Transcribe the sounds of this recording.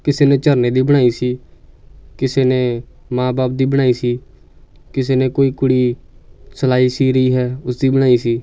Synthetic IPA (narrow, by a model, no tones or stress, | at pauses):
kɪseːnẽːt͡ʃəɾneːd̪iːbəɽ̃aːiːsiː | kɪseːneː | mãːbaːp̚d̪iːbəɽ̃aːiːsiː | kɪs̬eːneːkoːiːkʊɽiːsəlaːiːsiːɾəiːɦɛːʊsd̪iːbəɽ̃aːiːsiː